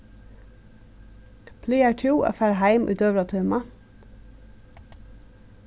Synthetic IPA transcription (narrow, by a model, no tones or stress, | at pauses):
pʰliːæʈʰuːʔo̰ːfæɹhæɪmʔʉ̰ːt̪øːʋɑt̪ʰœːmɑ